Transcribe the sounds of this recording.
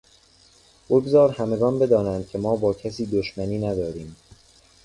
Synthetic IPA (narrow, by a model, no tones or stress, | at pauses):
b̥oɡzɒːɾhæme̞ɡɒːnbe̞d̪ɒːnænd̪̥̚cʰe̞mɒːbɒːcʰæsiːd̪oʃmæniːnæd̪ɒːɾiːm